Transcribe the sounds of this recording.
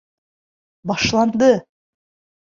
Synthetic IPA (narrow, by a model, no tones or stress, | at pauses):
bɑʃlˠɑnd̪ɤ